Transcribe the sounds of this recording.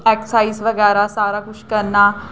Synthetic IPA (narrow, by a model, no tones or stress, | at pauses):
ɛksaisʋəɡɛɾasaɾakuʃkəɾna